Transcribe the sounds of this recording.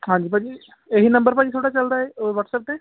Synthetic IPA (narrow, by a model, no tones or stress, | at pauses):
ɦãːɲd͡ʒiːpãd͡ʒi | eɦinə̃mbəɾpad͡ʒit̪ʰoːɽat͡ʃəld̪aɛoʋəʈsəp̚ʈeː